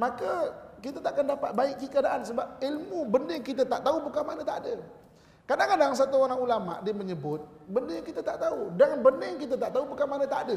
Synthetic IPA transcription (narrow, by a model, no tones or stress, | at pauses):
makəkit̪at̪aʔakandapat̪̚baik̚ɡəkəɾadaʔans̬əbap̚ilmubəndɪŋkit̪̬at̪aʔt̪aubukamanə̃t̪aʔdə | kadaŋkadaŋŋs̬at̪uoɾaŋulama̰ʔdiəməɲəbʊt̪̚bəndəjaŋkit̪ət̪aʔt̪audaŋbənɪŋkit̪̬at̪aʔt̪aubukamanə̃t̪aʔdə